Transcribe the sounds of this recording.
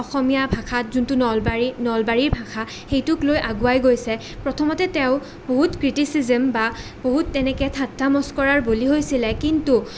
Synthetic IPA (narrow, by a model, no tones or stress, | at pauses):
ɔxɔmijabʱaxʰatzuntunɔlbaɹinɔlbaɹiɹbʱaxʰa | xejtʊklojʔaɡuajɡojsɛ | pɹɔtʰɔmɔtɛtɛʊ̃ | boɦutkɹitisizɛmbaboɦutːɛnɛkɛtʰatːamɔskɔɹaɹboliɦojsilɛkintu